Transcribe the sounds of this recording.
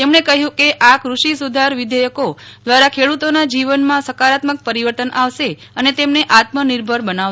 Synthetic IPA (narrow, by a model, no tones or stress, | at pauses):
t̪emɳekəɦjũkeʔakɾuʃisud̪ʱaɾʋɪd̪əjəkod̪ʋaɾakʰeɭut̪onad͡ʒiʋənmãsəkaɾat̪mək̚pəɾiʋəɾt̪ənʔaʋʃe | ənet̪emneʔat̪məniɾbʱəɾbənaʋ